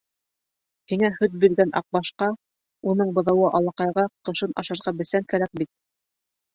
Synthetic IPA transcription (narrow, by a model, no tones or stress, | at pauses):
hiŋæhɵt̪̚biɾɡænʔɑ̰q̚bɑʃqɑ | unɤɴbɤ̆ðɤ̆wɤʔɑlˠɑqɑjʁɑqɤ̆ʃɤnʔɑ̰ʃɑ̆ɾʁɑbɘ̆sæŋkæɾæk̚bit̪̚